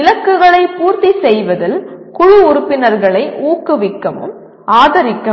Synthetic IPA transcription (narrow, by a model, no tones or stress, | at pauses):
ɪlɐkːɯɣɐɭɐɪpuːɾt̪isɛjʋɐðɪlkʊɻʊʊɾʊpːɪnɐɾɣɐɭɐɪʔuːkːɯʋɪkːɐʋɯ̰m | aːðɐɾɪkːɐ